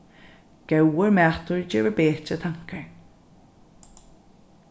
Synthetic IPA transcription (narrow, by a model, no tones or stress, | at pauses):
ɡ̥ɛwəɹmɛt̪ʰʊɹd͡ʒeːvəbeːt͡ʃət̪ʰaŋkʰəɹ